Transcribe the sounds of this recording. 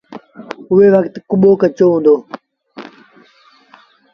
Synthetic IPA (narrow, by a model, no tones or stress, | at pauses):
ʊeːʋəkt̪kʊɓoːkət͡ʃoːɦũːnd̪oː